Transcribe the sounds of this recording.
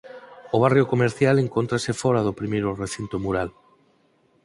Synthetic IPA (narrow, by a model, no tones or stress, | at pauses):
ʊβ̞arjokomeɾθjaleŋkont̪ɾasɪfɔɾaðopɾimejɾʊreθint̪omuɾal